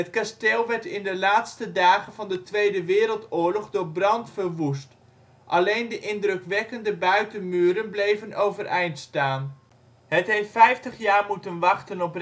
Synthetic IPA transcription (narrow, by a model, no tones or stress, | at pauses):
ɦətkasteːlˠʋɛɹtɪndəlaːtstədaːχənvɑndətʋejdəʋɪːɾəlˠtʊːɹlɔχdʊːɹbrɑntfəɹʋust | ʔɑlejndəʔɪndrɵkʋɛkəndəbœɥtənmyːɾənblejvənowvərʔɛjntstaːn | ɦətɦejftfɛjftəχjaːɹmutənʋɑχtənɔpr